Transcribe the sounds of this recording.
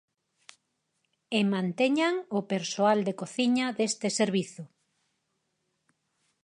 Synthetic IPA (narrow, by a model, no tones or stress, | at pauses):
emãnt̪eɲaŋʊpeɾsoald̪ekoθiɲaðest̪ɪseɾβiθʊ